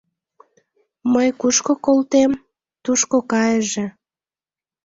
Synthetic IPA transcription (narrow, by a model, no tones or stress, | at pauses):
məjkuʃkokolt̪em | t̪uʃkokɑjəʒĕ